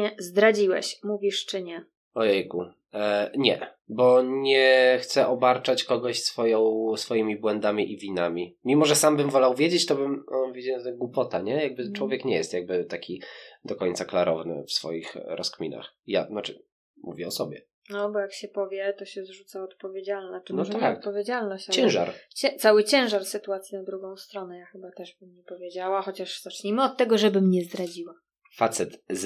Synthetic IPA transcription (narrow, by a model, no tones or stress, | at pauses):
ɛzd̪ɾad͡ʑiwɛ̰ɕmuvʲiʂt͡ʂɘɲɛ | ɔjɛjɡu | ɲɛ | bɔɲɛxt̪sɛʔɔbaɾt͡ʂat͡ɕkɔɡɔɕsfɔjɔ̃w̃sfɔjimʲibwɛnd̪amʲiʔivʲinamʲimʲimɔʐɛsambɘmvɔlawvʲjed͡ʑet͡ɕt̪ɔbɘmɔnvjed͡ʑat̪aɡwupɔt̪aɲɛjaɡ̚bɘt͡ʂwɔvʲjɛkɲɛjɛst̪jaɡ̚bɘt̪akʲʰid̪ɔkɔɲt̪saklaɾɔvnɘ̰fsfɔ̰jixɾɔskmʲḭna̰xja̰nat͡ʂɘ̰ | mṵvʲjɛɔsɔbʲjɛ̰ | nɔbɔjakɕɛpɔvʲjɛt̪ɔɕɛzʐut̪saɔt̪̚pɔvʲjed͡ʑalnanɔat̪pɔvʲjed͡ʑalnɔɕt͡ɕat͡ɕɛ̃ʐa̰ɾt͡ɕɛt̪sawɘt͡ɕɛ̃w̃ʐaɾsɘt̪uat̪sʲinad̪ɾuɡɔ̃w̃st̪ɾɔnɛjaxɘbat̪ɛʐbɘmɲɛpɔvʲjed͡ʑawaxɔt͡ɕaʂzat͡ʂɲimɘɔt̪ːɛɡɔʐɛbɘmɲɛzd̪ɾad͡ʑiwa | fat̪sɛt̪